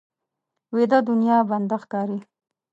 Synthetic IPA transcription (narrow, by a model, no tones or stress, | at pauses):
wed̪ad̪ʊnjɑband̪axkɑɾi